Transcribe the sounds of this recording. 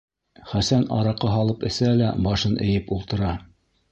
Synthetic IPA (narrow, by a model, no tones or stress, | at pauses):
χæsænɑ̰ɾɑqɤɦɑlˠɤpɘ̆sælæ̰bɑʃɤnʔɘ̰̆jɘpulˠt̪ɤ̆ɾɑ